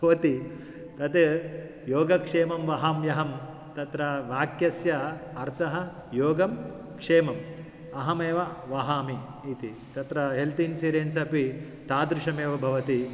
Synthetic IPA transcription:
bʱɐʋɐt̪i | t̪ɐt̪ | joːɡɐkʂeːmɐmʋɐɦamjɐɦɐm | t̪ɐt̪ɾɐʋaːkjɐsjɐɐɾt̪ʰɐɦɐ | joːɡɐm | kʂeːmɐm | ɐɦɐmeːʋɐʋɐɦaːmiː | t̪i | t̪ɐt̪ɾɐɦelt̪insiːɾeːnsɐpi | t̪aːd̪ɾɪʂɐmeːʋɐbʱɐʋɐt̪i

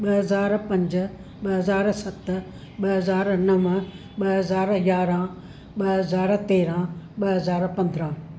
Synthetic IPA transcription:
ɓɐɦɐzaːɾpɐ̃ɲd͡ʒ̆ | ɓɐɦɐzaːɾsɐt̪ | ɓɐɦɐzaːɾnɐʋ | ɓɐɦɐzaːɾjaːɾãː | ɓɐɦɐzaːɾt̪eːɾãɓɐɦɐzaːɾpɐ̃nd̪ɾãː

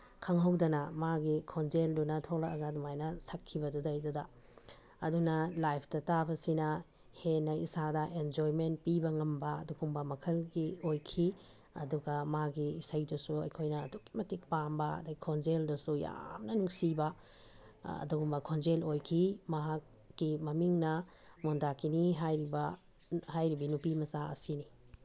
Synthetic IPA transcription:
kʰaŋɦɐwdɐnɐmaɡikʰɔnd͡ʒeldunɐtʰolakɐɡadumajnɐsakʰːibɐdudajdudaː | dunɐlajpʰdɐtabɐsinɐ | henɐisadɐʔend͡ʒojment̚pibɐŋɐmbɐːdukʰuŋbɐmɐkʰɐlɡiojkʰi | ɐ̰duɡɐmaaɡiːsajdusuɐjkʰojnɐːdukːi̥mɐtik̚pambɐɐ̰daɡikʰond͡ʒeldɐsuja̰mnɐnuŋsibɐ | ɐ̰duɡumbɐkʰond͡ʒelojkʰimɐɦakː | imɐmiŋnɐ | mondakiniɦajɾibɐ | hajɾibinupimɐsaɐ̰sini

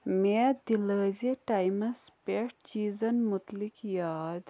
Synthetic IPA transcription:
med̪iləːziʈɐjmɐspeʈt͡ʃiːzɐnmut̪likjaːd̪

